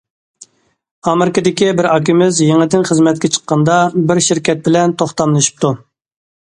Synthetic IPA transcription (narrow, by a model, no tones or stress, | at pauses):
ɑmɪɾɪkəd̪ɪkʲibɪɾɑkʲʰimɪzjeŋd̪ɪnχəzmɛt̪̚kʲɛt͡ʃʰə̥qːɑnd̪ɑbɪɾʃiɾkʲʰɛt̪̚bɪlɛnt̪ʰoχt̪ɑnlˠɨʃi̥p̚t̪ʰu